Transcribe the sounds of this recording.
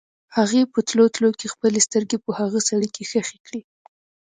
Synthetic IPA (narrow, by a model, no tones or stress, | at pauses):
haɣepət̪lot̪lokexpəlest̪əɾɡepəhaɣəsaɽikexəxekɽi